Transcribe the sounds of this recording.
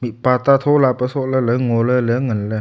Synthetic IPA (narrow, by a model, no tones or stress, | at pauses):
mipat̪at̪ʰolapəsoʔlələŋolələŋənlə